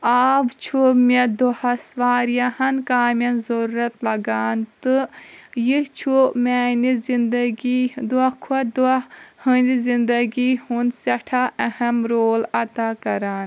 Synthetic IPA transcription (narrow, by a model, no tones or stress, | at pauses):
aːbt͡ʃʰumed̪ohɐsʋaːɾjahɐnkaːmɐnzɐɾuːɐt̪lɐɡaːnt̪ɨjit͡ʃʰumɛːnizind̪ɐɡid̪uɐkʰuɐd̪hɨnizind̪ɐɡihunsɐʈʰaːʔɐhɐmɾoːlɐt̪aːkɐɾaːn